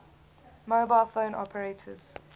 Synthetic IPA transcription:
moʊbaɪlˠfə̃ʊ̃nʔɔ̰pʰəɹetʰə̰z̥

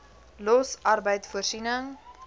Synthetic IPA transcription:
lɔsʔɐrbəjtfuərsinəŋ

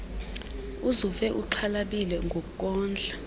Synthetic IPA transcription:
uzuvɛʔuǀʰalaɓilɛŋɡʱokuk̬ʼɔːnd͡ɮʱa

